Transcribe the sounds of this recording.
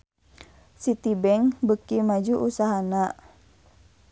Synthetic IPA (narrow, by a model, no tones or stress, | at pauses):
sit̪ibɛŋbəkimad͡ʒuʔusaɦana